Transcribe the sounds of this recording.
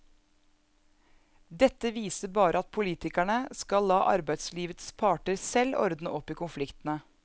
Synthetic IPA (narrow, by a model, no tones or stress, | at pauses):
d̪ɛt̪ːəʋiːsəɾbɑːɾʔəɑt̪̚pʰʊliːt̪ɪkæɳəskɑlːɑːʔɑ̰ɾbæɪd̪sliːʋət̪spʰɑːʈəɾsɛlːɔ̰ɾd̪nəʔɔpːiːkʊnflɪkt̪nə